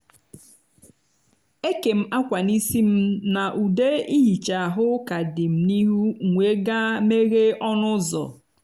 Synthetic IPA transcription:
e˦ke˨m̩˦a˦kʷa˨ni˦si˦m̩˦na˨ʔu˨de˦i˦ɦi˨t͡ʃa˨a˨ɦʊ˦ka˨dɪ˨m̩˨ni˦ɦu˦˨ŋʷe˦ɡa˦me˦ɣe˦ɔ˦nʊ˦zɔ̰˨

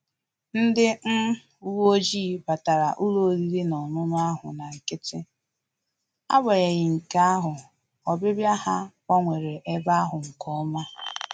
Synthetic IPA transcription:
n̩˦dɪ˦n̩˦ | u˦wo˦d͡ʒi˦˨ba˨ta˨ɾa˨ʔu˦lo˨li˦ɾi˦nɔ˨nʊ˦m˦a˦ɦʊ̰˨na˨ŋ̩˨kɪ˦tɪ˦ | a̰˦ba˨ɣe˨ɣɪ˨ŋ̩˨ka˦a˦ɦʊ˨ | ɔ˨bɪ˦bja˦ha˦kʷa˦ŋʷe˨ɾe˨ʔe˦ba˦a˦ɦʊ˨ŋ̩˨kɔ˦ma˦

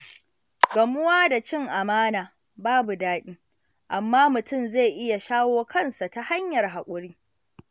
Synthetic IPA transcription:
ɡɐ˨mʊ˦waː˦da˨t͡ʃɪ˦ŋʔa˨maː˦naː˨ | baː˦bu˨daː˦ɗʲiː˦ | ʔa˨mːaː˦mʊ˨tʊ˦mze˦˨ʔɪ˦ja˨ʃaː˦woː˦kɐ˦nsa˨ta˦ha˦ɲjɐ˨rɦa˨kʷʼʊ˦ɽiː˦

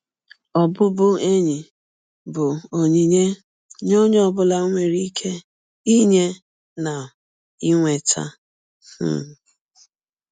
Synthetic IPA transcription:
ɔ˨bʊ˦bʊ˦e˦ɲi˨ | bʊ˨o˨ɲi˨ɲe˦ | ɲo˦ɲ˦ɔ˦˨bʊ˦la˦ŋʷe˨ɾi˦kʰe˦ | i˦ɲe˦ | na˨ | i˦ŋʷe˨tʰa̰˦ | h̩˦˨

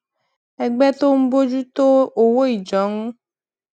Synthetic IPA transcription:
ɛ˧ɡ͡bɛ˦t̪o˦m̩˦bo˦d͡ʒu˦t̪o˦o˨wo˦i˨d͡ʒɔ˨˦ŋũ˦

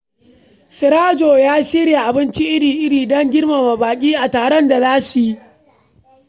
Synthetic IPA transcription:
sɪ˨ɾaː˦d͡ʒoː˨jaː˦ʃi˦ɽja˨ʔa˨bɪ˦nt͡ʃi˦ʔɪ˦ɽiː˨ʔɪ˦ɽiː˨dɔ˦ŋɡʲɪ˦ɽma˨ma˨baː˨kʲʼiː˦ʔa˨taː˨ɽɔ˦nda˨zaː˦su˨ji˦ʔ

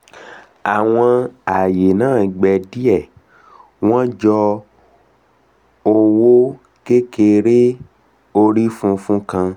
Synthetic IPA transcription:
a˨w̃ɔ̃˧a˨je˨nãː˦˨˧ɡ͡bɛ˨di˦ɛ˦˨ | w̃ɔ̃˦d͡ʒɔ˧ | o˧wo˦ | ke˦ke˧ɾe˦ | o˧ɾi˦fũ˦fũ˦kã˧

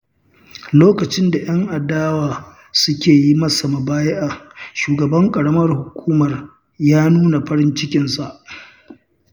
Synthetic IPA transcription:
loː˦kɐ˨t͡ʃɪ˦nda˨j̰ɐ˦ŋʔa˨daː˦waː˨ | sʊ˦kʲeː˨ji˦mɐ˦sa˨ma˨baː˦je˦ʔa˨ʃuː˨ɡɐ˨bɐ˦ŋkʼɐ˨ɽɐ˦mɐ˦rhʊ˨kʷuː˦mɐ˨r | jaː˦nuː˦na˨ɸɐ˦ɾɪ˦nt͡ʃɪ˦kʲɪ˨nsa˨ʔ

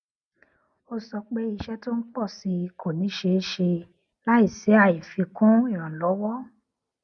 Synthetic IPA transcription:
o˧sɔ˧k͡pe˦i˧ʃɛ˦to˦n̩˦k͡pɔ˦˨si˧˦˧kʰo˨nĩ˨˦ʃe˧˦ʃe˧ | la˦i˦˨sɛ˨˦a˦˨i˨fi˧kũ˦i˦˨ɾ̃ã˨lɔ˨˦wɔ˦

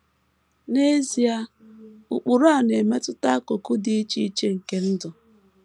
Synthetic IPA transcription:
ne˦zi˨a˦ | u˨k͡pu˨ɾa˨ne˨me˦tʊ˦ta˦a˦ko˨ku˦dɪ˦i˦t͡ʃi˦i˦t͡ʃe˦ŋ̩˨ke˦n̩˦dʊ˨

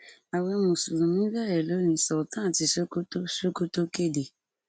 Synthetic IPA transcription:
a˨wɔ˧mõ˨su˨ɾũ˨mĩ˦bɛ˦˨ɾɛ˨lo˨˦nĩ˧˦sɔ˨tã˦˨ti˧˦so˦ko˦to˦ʃo˦ko˦to˦ke˦˨de˨

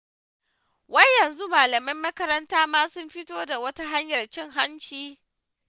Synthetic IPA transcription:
wɐ˦jɐ˨nzu˦maː˨lɐ˨mɐ˦mːɐ˦kɐ˦ɾɐ˦ntaː˦maː˦sʊ˦mɸɪ˦toː˦da˨wɐ˦ta˦ɦa˦ɲjɐ˨rt͡ʃɪ˦ŋɦa˦nt͡ʃiː˦

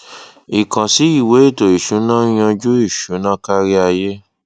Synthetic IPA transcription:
i˨kã˨si˨˦i˦˨we˨˦i˦˨to˨i˨ʃu˨˦nã˦j̃ã˧d͡ʒu˦i˦˨ʃu˨˦nã˦ka˦ɾi˦a˧je˦

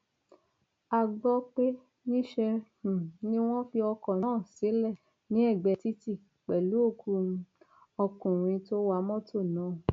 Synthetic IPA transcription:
a˧ɡ͡bɔ˦k͡pe˦ | nĩ˦ʃɛ̃˧˨ | nĩ˦w̃ɔ̃˦fi˧ɔ˧kɔ̃˨ñː˨˦˨se˨˦lɛ˦˨ | nĩ˦ɛ˦˨ɡ͡bɛ˧ti˦ti˦˨ | k͡pɛ˨lu˨˦o˦˨kʰu˧˦ | ɔ˧kũ˨ɾ̃ĩ˧to˦wa˧˦mɔ̃˦to˦˨nãː˨˦

